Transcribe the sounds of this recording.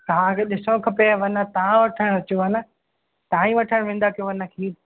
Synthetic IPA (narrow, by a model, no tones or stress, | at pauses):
ãːkeɗɪsõkʰɐpeʋɐnət̪aãʋɐʈʰəɽ̃ʋɐt͡ɕoɦanə | t̪ãːĩʋɐʈʰəɽ̃ʋɪ̃nd̪akijõʋɐnəkʰiː